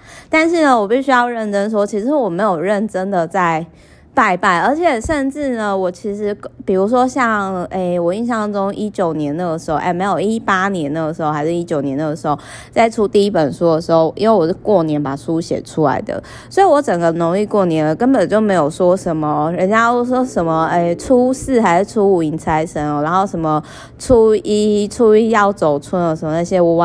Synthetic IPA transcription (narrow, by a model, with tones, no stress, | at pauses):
t̪a˥˧nʂɻ̩˥˩nə˩wɔ˨˩pi˥˩ɕy˥jɑ˥˧ʊɻə˥˩nʈ͡ʂə˥nʂ̬wɔ˥t͡ɕʰi˧˥ʂɻ̩˧˦wɔ˨˩me˧˥ɪjo˨˩ʊɻə˥˩nʈ͡ʂə˥nd̪ə˨˩t͡sa˥˩ɪ | pa˥˧ɪpa˥˩ɪə˞˧˥t͡ɕʰjɛ˨˩ʂə˥˧nʈ͡ʂɻ̩˥˩nə˩wɔ˨˩t͡ɕʰi˧˥ʂɻ̩˧˥pi˨˩ɻu˧˥ʂ̬wɔ˥ɕjɑ˥˩ŋe˥˩ɪwɔ˨˩i˥˧nɕjɑ˥˩ŋʈ͡ʂʊ˥ŋi˥t͡ɕjo˨˩ʊnjɛ˧˥nd̪ə˧˩ɡə˩ʂɻ̩˧˥xo˥˧ʊʔɛ˥˩me˧˥ɪjo˨˩ʊi˥pa˥njɛ˧˥nnə˥˩ɡə˩ʂɻ̩˧˥xo˥˧ʊa˧ɪʂɻ̩˥˧i˦˥t͡ɕjo˨˩ʊnjɛ˧˦nd̪ə˨˩ʂɻ̩˧˥xo˥˩ʊ | t͡sa˥˩ɪʈ͡ʂʰu˦t̪i˥˧i˦˥pə˨˩nʂu˥d̪ə˨˩ʂɻ̩˧˥xo˥˧ʊʔḭ˥nwe˥˩wɔ˨˩ʂ̬̩˥˧˩kwɔ˥˩njɛ˧˦˥npa˨˩ʂʰu˦ɕjɛ̰˨˩ʈ͡ʂʰu˦la̰˧˥ɪd̪ə̰˨ | swɔ˧˥i˨wɔ˧˥ʈ͡ʂə˨˩ŋɡə˦no˧˥ŋli˥˧kwɔ˥˩njɛ˨˥nlə˨˩kə˦˥npə˨˩nt͡ɕjo˥˩ʊme˧˥ɪjo˨˩ʊʂwɔ˥ʂə˧˦nmə˧ɻə˧˥nt͡ɕja˥ʂwɔ˥ʂə˧˦nmə˧e˥˩ʈ͡ʂʰu˥sɹ̩˥˩xa˧˥ɪʂɻ̩˥˧ʈ͡ʂʰu˥u˨˩i˧˥ŋt͡sʰa˧˥ɪʂʰə˧˥nɔ˩ɻa˧˥nxo˥˩ʊʂə˧˦mə˧ | ʈ͡ʂʰu˥i˥ʈ͡ʂʰu˥i˥jɑ˥˩ʊt͡so˨˩ʊt͡sʰwə˥nɔ˧˩ʂə˨˦mə˧na˥˩ɕjɛ˦u˧˥wa˥˩